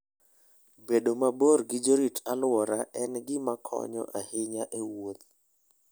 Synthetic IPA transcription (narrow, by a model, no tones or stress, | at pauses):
beɗomaboɾɡɪd͡ʒoɾitalwɔɾaʔɛnɡɪmakʰɔ̰ɲɔ̰ʔahɪɲaʔewot̪̚